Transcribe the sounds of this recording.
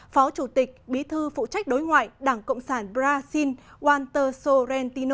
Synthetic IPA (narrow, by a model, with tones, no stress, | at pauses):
fɔ˨˦t͡ɕu˧˩t̪ï˨˩k̚ɓi˨˦t̪ʰɨ˧fṵ˧˨t͡ɕa˦˥jk̚ɗo˨˦jŋwa̰ː˧˨jɗaː˧˩ŋkə̰˧˨wŋ͡msaː˧˩nɓzaː˧si˧nʔwaː˧nt̪əː˧so˧ɾɛ˧nt̪i˧n˧